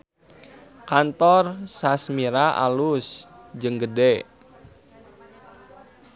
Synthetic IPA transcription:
kant̪ɔrsasmiɾaʔa̰lusd͡ʒəŋɡəde

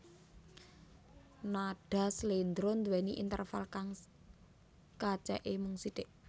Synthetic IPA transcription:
naɖ̥a̤slend̪ɾond̪uwɛniʔḭnt̪ə̰rfalkaŋ | kḁt͡ʃɛʔemʊŋsid̪̥eʔ

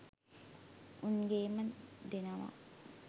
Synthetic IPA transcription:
unɡeːməd̪enɐʋa̰

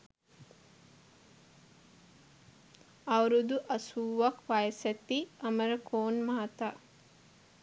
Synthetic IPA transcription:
awɾud̪uʔɐsuːʋakʋajəsæt̪iɐməɾəkʰoːnmaːt̪aː

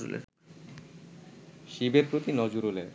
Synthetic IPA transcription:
ṵlḛ | ʃibeɾpɾot̪inɔd͡ʑuɾole

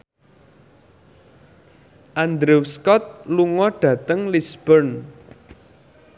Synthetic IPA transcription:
ʔand̪ɾewskɔt̪̚luŋɔɖ̥ä̤t̪əŋlisb̥ərn

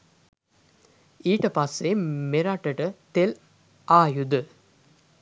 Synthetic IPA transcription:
iːʈəpasːemeɾaʈəʈət̪el | aːjud̪ə

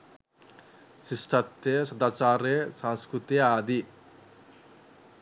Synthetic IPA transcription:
sisʈat̪ːesɐd̪aːt͡ʃaːɾesãnskɾut̪iaːd̪i

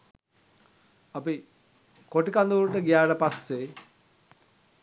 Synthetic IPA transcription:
api | koʈikand̪uɾuʈəɡijaːʈəpasːe

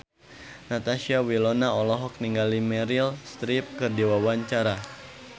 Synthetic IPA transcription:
nat̪aʃiawilɔnaɔlɔɦɔk̚niŋɡalimɛɾilst̪ɾip̚kɨrdiwawaɲt͡ʃaɾa

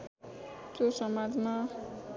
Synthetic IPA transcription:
t̪josʌmad͡zma

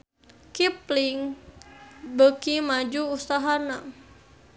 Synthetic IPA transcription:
kipliŋ | bəkimad͡ʒuːst̪aɦana

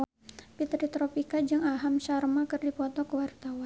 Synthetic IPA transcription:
pit̪ɾit̪ɾopikad͡ʒɨŋaɦamʃarmakɨrdipɔt̪ɔkəwart̪awan

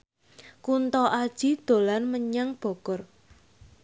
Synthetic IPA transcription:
kunt̪ɔʔad̥ʒ̥i̤d̪̥o̤lanməɲaŋb̥ɔ̤ɡ̥ɔr

